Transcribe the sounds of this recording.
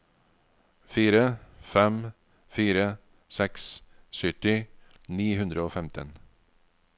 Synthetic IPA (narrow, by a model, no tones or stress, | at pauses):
fiːɾəfɛm | fiːɾə | sɛks | sʏʈɪ | niːhʉnd̪ɾəoːfɛmt̪ʰə̰n